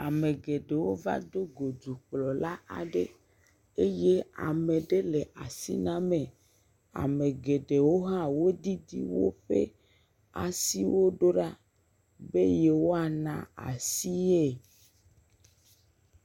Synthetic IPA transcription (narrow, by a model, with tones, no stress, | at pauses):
a˨me˨ɡe˨ɖe˨wo˦va̰˦d̪o˦ɡo˨d͡ʒu˨k͡plɔ˨la˦a̰˨ɖe˦ | e˦je˦a̰˨mẽ˨ɖe˦le˨ʔa˨sḭ˦nã˦mẽ˨ | a̰˨me˨ɡe˨ɖe˨wo˦ɦã˦wo˦d̪i˦d̪ḭ˦wo̰˦ɸḛ˦ | a̰˨si˦wo˦ɖo˦ɖa˦ | be˦je˦wo˦a˨nã̰˨a̰˨si˦e˦˨